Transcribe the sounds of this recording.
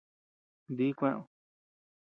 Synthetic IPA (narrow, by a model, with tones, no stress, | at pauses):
nd̪i˦kʷẽ˦˧ʔõ˨˧˨